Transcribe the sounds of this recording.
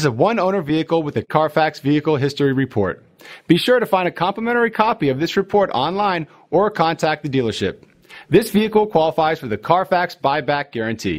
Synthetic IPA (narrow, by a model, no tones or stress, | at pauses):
zəwʌ̃nõʊ̃nə˞viɨkl̩ˠwəðɨkʰɑɹfæksviɨkl̩ˠɦɪstə˞iɹɨpʰɔ̰ɹt̚ | b̥iʃʊɹɾɨfãɪ̃ndɨkʰɑ̃mpləmɛ̃ɾ̃ə˞ikʰɑpiʌvðɪsɹɨpʰɔɹɾɑ̃nlãɪ̃n | ʔə˞kʰɑ̃ntʰæk̪̚ðɨdilˠə˞ʃɪ̰p̚ | ðɪsviɨkl̩ˠkʰw̥ɑlˠəfaɪz̥fə˞ðɨkʰɑɹfæksb̥aɪbæk̚ɡ̥ɛɹɨ̃ntʰḭ